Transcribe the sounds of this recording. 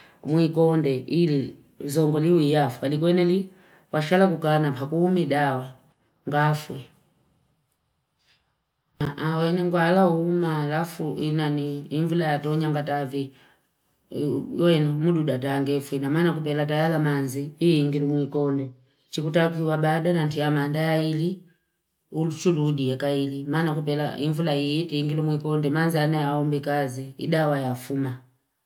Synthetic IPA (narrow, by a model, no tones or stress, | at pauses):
mwikɔndɛʔili | zɔŋɡɔliwijafualikwɛnɛli | waʃalakukanapakuumidawa | ŋɡafwɛ | awɛnɛŋɡwalaumaːlafuʔinaniːɱvulajatɔɲaŋɡatavi | wɛnmududat̬aŋɡɛfwinamanakupɛlatajalamanziiiŋɡilumwikɔndɛ | t͡ʃikutakiwabadanantiamandajaili | ulut͡ʃuludiakailimaːnakupɛla̰iɱvulaijitiiŋɡilumwikɔndɛmanzianaaɔmbikaziḭdawajafuma